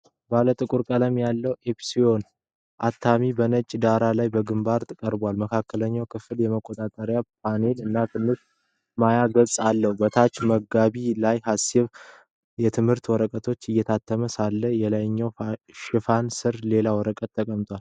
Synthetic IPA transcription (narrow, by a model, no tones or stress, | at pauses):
balət̪ʼɨkʼuɾkʼələmjalːəwepsio̞n | ʔat̪ʰːamibənət͡ʃʼd̪aɾalajbəɡɨmbaɾt̪ʰʼɨkʼəɾbalməkʰakːələɲːawkʰɨfɨljɛməkʼːo̞t̪ʼat̪ʼəɾjap̚ʰane̞lɨnːat̪ʰɨnːɨs | majaɡəsʼalːəhubət̪ʰat͡ʃməɡaβilajhasɪβ | jɛt̪ʰɨmhɨɾt̪wɔɾəkʼət̪ʰo̞t͡ʃːɨjːɛt̪ʰat̪ʰːəməsalːəjɛlajɲːawʃɪfansɨɾle̞lawɔɾəkʼət̪ːʰəkʼəmt̪ʰwal